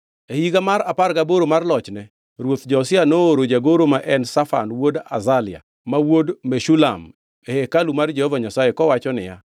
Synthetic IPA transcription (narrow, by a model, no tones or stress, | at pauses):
ehiɡamaɾaparɡaboɾomarlɔt͡ʃnɛ | ɾwot̪d͡ʒɔsɪanoɾod͡ʒaɡoɾomaʔɛnsafa̰nwoda̰zalɪa̰ | mawodmeʃula̰m | ehekalumard͡ʒɛhɔvaɲasajekɔwat͡ʃɔnɪ̰ja̰